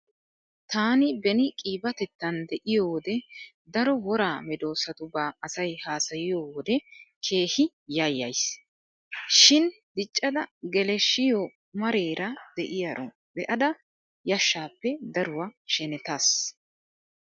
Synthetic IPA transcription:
t̪aːnɪbɛnɪkʼiːbɐt̪ɛt̪ːɐnd̪ɛʔɪjoːwɔd̪ɛ | d̪ɐɾɔwɔɾaːmɛd̪o̞ːsɐt̪ʊbaːɐsɐjhaːsɐjɪjoːwɔd̪ɛkʰe̞ːhɪ | jajːɐjs | ʃɪn | d̪̥ɪt͡ʃʼːɐd̪ɐɡɛlɛʃːɪjoː | mɐɾe̞ːɾʔɐd̪̥ɛʔɪjɐɾʔɔ̰ | bɛʔɐd̪ɐ | jɐʃːaːpːɛd̪ɐɾʊwaʃɛnɛt̪as

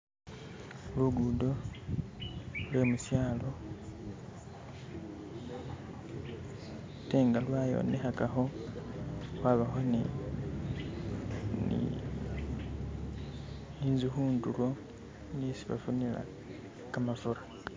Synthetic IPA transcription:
luɡudo̞ | lwe̞ːmusjaːlo̞ | te̞ːŋɡalwajo̞̰ːnexakaxo | waβaxoni | nḭ | iːnzuxuːndulo̞ | nisiβa̰funila̰ | kamafuɾa

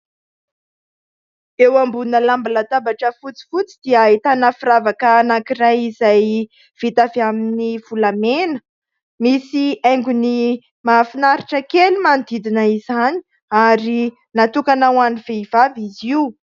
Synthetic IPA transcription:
ewambunəlambilat̪abaʈ͡ʂəfut͡si̥fut͡sid̪iaet̪anafiɾavakəːnakiɾajizaj | v̥it̪aviaminiv̥ulamenə | misiajŋɡuni | mafinaɾiʈ͡ʂəkelimand̪id̪inaizani̥ | aɾi | nat̪ukanawaniv̥eivaviziw

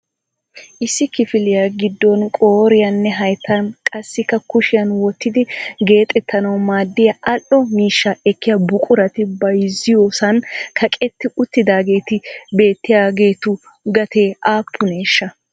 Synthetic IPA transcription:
ʔɪsːɪkɪfɪlɪjaɡɪd̪ːɔnkʼoːɾɪjɐnːɛɦɐjt̪ːɐnkʼɐsːɪkːɐkʊʃɪjɐnwɔt̪ːɪd̪ɪɡe̞ːt̪ʼːɛt̪ːɐnɐwmaːd̪ːɪjɐʔɐlʔɔmiːʃːɐɛkːɪjɐbʊkʼʊɾɐt̪ɪbɐjzɪjoːsɐnkʰɐkʼɛt̪ːɪʔʊt̪ːɪd̪aːɡe̞ːt̪ɪbe̞ːt̪ːɪjaːɡe̞ːt̪ʊ | ɡɐt̪ʰeːaːpʰːʊneːʃːɐ

